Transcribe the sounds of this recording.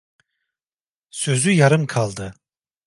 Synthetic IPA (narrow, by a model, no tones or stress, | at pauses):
sø̞zyjaɾɯmkʰalˠd̪ɯ